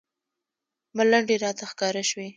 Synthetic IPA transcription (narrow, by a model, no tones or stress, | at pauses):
malaɳɖeɾɑt̪axkɑɾaʃwi